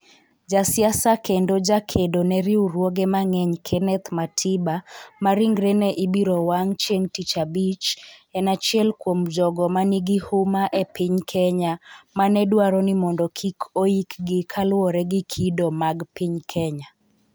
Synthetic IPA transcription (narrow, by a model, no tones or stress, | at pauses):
d͡ʒasɪasakendod͡ʒakʰedonɛɾiuɾwoɡɛmaŋɛɲkʰɛnɛt̪matʰibamaɾiŋɡɾɛnɛʔibiɾɔwaŋt͡ʃjeŋtit͡ʃabit͡ʃɛnat͡ʃjɛlkwomd͡ʒɔɡɔmaniɡɪhʊmaʔɛpɪɲkʰɛɲamanɛdwaɾɔnɪmɔndɔkʰikʰoikɡɪkʰalwɔɾɛɡɪkʰidɔmaɡpiɲkʰɛɲa